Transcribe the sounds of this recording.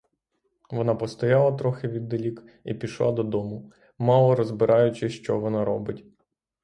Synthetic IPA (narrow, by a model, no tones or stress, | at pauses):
ʋɔnɑpɔst̪ɔjɑlˠɐt̪ɾɔxɪʋʲid̪ːelʲik | ipʲiʃlˠɑd̪ɔd̪ɔmʊ | mɑlˠɔɾɔzbɪɾʔɑjʊt͡ʃɪʃt͡ʃɔʋɔnɑɾɔbɪtʲ